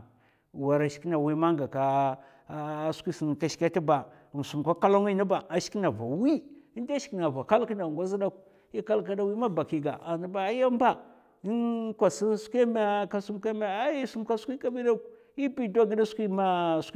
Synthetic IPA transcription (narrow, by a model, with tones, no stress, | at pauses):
wa˨ɾa˨ʃi̥˨˦ki˦na˨wi˦ma˦ŋɡa˨ka˦ | skʷi˦si˨n˨ka˨ʃka˦ti˦ba˨ | m˨su˨m˨ka˦ka˦lo˦ŋi˦na˦ba˨a˨ʃi̥˦ki˦na˨va̰˨wi˦i˦nda˦ʃi̥˨˦ki˨na˨va˨ka˦lki˦na˨ŋɡʷa˦zi˦da˦k | i˦ka˦lk̬a˦da˦wi˦ma˦ba˨ki˨ɡa˨ʔa˨ni˦ba˨˦ja˦mba˨ | i˦nkʷa˨si˦nskʷi˦ma˦ka˦su˦mka˦ma˨a˦ji˦su˦mka˦skʷi˦ka˦bi˦da˦k | i˦pi˦da˦ɡi˦da˦skʷi˦ma˦s